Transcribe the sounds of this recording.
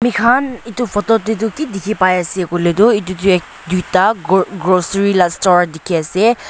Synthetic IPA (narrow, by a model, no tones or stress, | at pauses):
mikʰanitupʰɔtɔtet̬ʊkidikʰipajasɛkɔletʊit̬utuɛk̚ | dutaɡɹosɔɹilastɔɹdikʰiasɛ